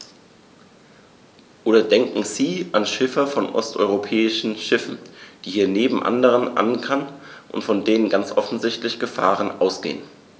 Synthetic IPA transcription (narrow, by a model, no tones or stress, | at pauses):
ʔoːdɐdɛŋkŋ̩ziːʔanʃɪfɐfɔnʔɔ̰stʔɔ̰ʏʁopʰɛːɪʃn̩ʃɪfn̩d̥iːhiːɐneːbm̩ʔa̰ndəʁ̞ənʔa̰nkʰanʔʊ̰ntfɔndeːnənɡant͡sʔɔfn̩zɪçtlɪçɡ̥əfa̰ːʁ̞ənʔaʊsɡ̥ḛːən